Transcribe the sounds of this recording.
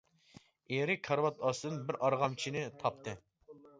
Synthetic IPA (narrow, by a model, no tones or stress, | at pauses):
eɾɪkʰɑɾwɑt̪ʰɑsd̪ɨnbɪɾʔɑɾʁɑmt͡ʃʰinɪt̪ʰɑp̚t̪ʰɨ